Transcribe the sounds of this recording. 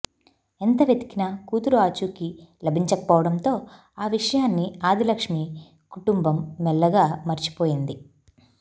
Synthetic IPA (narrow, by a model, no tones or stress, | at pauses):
ent̪ɐʋjed̪i̥kinɐkuːt̪uɾuaːt͡ʃuːkilɐbʱiɲt͡ʃɐkɐ̥pɔːʋɐɽɐmt̪o̞ː | aːʋiʂɐjaːnːiaːd̪ilɐkʂmi | kuʈumbɐmːɛlːɐɡaːmɐɾt͡ʃi̥po̞ːjind̪i